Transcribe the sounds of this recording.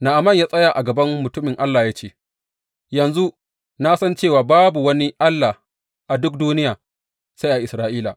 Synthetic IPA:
na˨ʔa˨mɐ˦˨ɲjaː˦sʼɐ˦ja˨ʔa˨ɡɐ˨bɐ˦mmʊ˨tʊ˦mɪ˨ŋʔa˦lːaː˨jaː˦t͡ʃeː˦˨ | jɐ˨nzu˦ | na˦sɐ˦nt͡ʃeː˦˨waː˨baː˦bu˨wɐ˦ni˦ʔa˦lːa˨ | ʔa˨dʊ˦k̚duː˦nɪ˦jaː˨ | sa˦jʔa˨ʔɪ˨sɾaː˦ʔiː˦la˨

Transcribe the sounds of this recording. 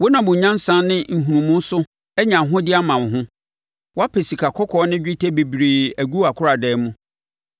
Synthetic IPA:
wo˦nã˨bʊ̃˨ɲã˦n˦sã˦n˦nɪ̃˦ŋ̩˨ɦũ˨nũ˨mũ˦n˦sʊ˦ | ɛ˦ɲã˨ɦʊ̃˦dɪ˦a˦mã˨n˨ɦʊ̃˦ | wɔ˦a˦pʰe˨si˨kʰa˨kʰɔ˦kʰɔ˦nɪ̃˦d͡ʑᶣɪ˦tʰe˦bi˨bɾi˨æ˨ɡu˦a˨kʰʊ˦ɾa˨dɛː˦mũ˦

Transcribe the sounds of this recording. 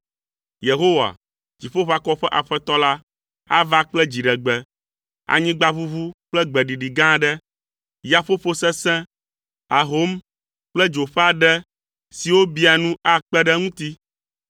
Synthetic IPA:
je˨ɦo˦wa̰˨ | d͡ʒi˨ɸo˦ɸa˦kɔ˦ɸɛ˦ʔa˨ɸɛ˦t̪ɔ˦la˦ | a˦va˦k͡plɛ˦d͡ʑi˨ɖɛ˨ɡ͡bɛ˨ | a̰˨ɲĩ˦ɡ͡ba˦βu˦vu˦k͡plɛ˦ɡ͡bɛ˨ɖi˨ɖi˨ɡã˦ɖɛ˦ | ja˨fo˦ɸo˦sɛ˦sɛ̃˦ | a˨ɦo˦m | k͡plɛ˦d͡ʒo˨ɸɛ˦a˨ɖɛ˦ | si˨wo˦bi˦a˨nũ˦a˦k͡pɛ˦ɖɛ˦ŋũ˦t̪i˦

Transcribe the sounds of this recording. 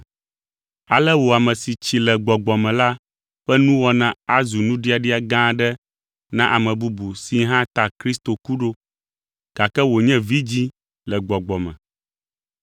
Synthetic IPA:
a˨lɛ˦wo˨a˨mɛ̃˨si˨t͡ɕi˨lɛ˨ɡ͡bɔ˨ɡ͡bɔ˨mɛ̃˨la˦ | ɸɛ˦nũ˦wɔ˦nã˨a˦zu˨nũ˦ɖi˦a˨ɖi˦a˨ɡã˦ɖɛ˦ | nã˦ʔa˨mɛ̃˨bu˦bu˨si˦ɦã˦t̪a˨kɾi˦st̪o˨ku˦ɖo˦ | ɡ̥a˨kɛ˦wo˨ɲɛ̃˦vi˦d͡ʑi˦ | lɛ˨ɡ͡bɔ˨ɡ͡bɔ˨mɛ̰̃˨

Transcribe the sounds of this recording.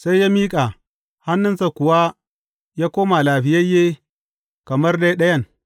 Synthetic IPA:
sa˦jːaː˦miː˦kʼa˨ | ha˦nːʊ˦nsa˨kʷʊ˨wa˦ | jaː˦koː˦ma˨laː˨ɸɪ˨jɐ˦jːeː˦ | kɐ˨mɐ˦rda˦jɗɐ˦jɐ˦˨n

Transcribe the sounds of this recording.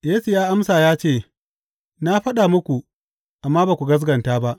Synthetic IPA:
jeː˦su˨jaː˦ʔa˦msaː˨jaː˦t͡ʃeː˦˨ | na˦ɸɐ˦ɗa˨mʊ˦kʷu˨ | ʔa˨mːaː˦baː˨kʷu˨ɡɐ˦s̬ɡɐ˨ntaː˦ba˦ʔ

